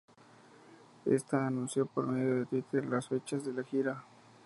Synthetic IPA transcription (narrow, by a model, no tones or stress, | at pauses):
ḛst̪aːnũnsjopoɾme̞ðjo̞ðe̞t̪wit̪eɾlasfet͡ʃazðelaxiɾa